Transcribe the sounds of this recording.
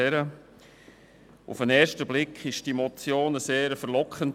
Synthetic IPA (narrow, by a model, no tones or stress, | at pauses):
ɛɾə | ṵfənɛːɾʃtəblɪkʰχɪʃd̥imɔt͡sjoːnəseːɾəfəɾlɔkχənt